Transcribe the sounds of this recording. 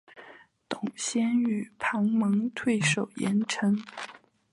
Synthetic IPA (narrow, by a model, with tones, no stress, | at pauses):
t̪ʊ˨˩ŋɕjɛ˥ny˨˩pʰɑ˧˥ŋmɤ˧˥ŋt̪ʰwe˥˩ɪʂo˨˩ʊjɛ˧˥nʈ͡ʂʰɤ˥ŋ